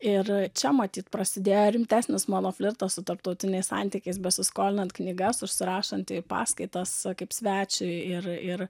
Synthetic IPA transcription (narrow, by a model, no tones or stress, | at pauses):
ɪrt͡ʃʲɛmɐt̪ʲiːt̪pɾɐsʲɪd̪ʲeːjoɾʲɪmʲt̪ʲæːsʲnʲɪsmolˠoːfʲlʲɪɾt̪ɐssʊt̪ɐɾpt̪ɒʊt̪ʲɪnʲɛɪssɑ̰nʲt̪ʲikʲɛɪs̬bʲɛsʲɪskoːlʲɪnɐnt̪knʲiɡɐsʊʃʲsʲɪɾɑːʃɐnt̪ʲɪpɑ̰ːskɐɪt̪ɐskɐɪpsʲʋʲæːt͡ʃʲʊɪrɪr